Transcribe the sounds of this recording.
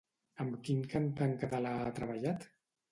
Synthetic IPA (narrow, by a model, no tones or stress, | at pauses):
əmkiŋkant̪aŋkat̪alaːt̪ɾəβaʎat̪